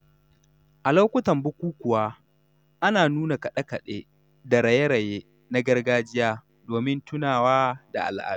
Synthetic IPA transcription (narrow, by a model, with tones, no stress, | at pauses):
ʔa˨la˦wkʷʊ˦tɐ˨mbʊ˦kʷuː˦kʷʊ˨waː˦ | ʔa˦naː˨nuː˦na˨kɐ˨ɗɐ˦kɐ˨ɗḛː˦ | da˨ɾɐ˨je˦ɾɐ˨jeː˦ | na˦ɡɐ˦rɡaː˦d͡ʒɪ˦jaː˦ | doː˨mɪ˦ntʊ˦naː˨waː˦da̰˨ʔa̰˨lʔa̰ː˨˦